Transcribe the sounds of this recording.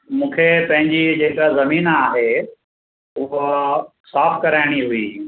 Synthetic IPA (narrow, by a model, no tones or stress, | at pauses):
mũːkʰepɐ̃ɦɪ̃ɲd͡ʑid͡ʑeːkazɐmiːnaːɦe | ʊɦo | saːfkɐɾaːɪɽ̃iɦʊiː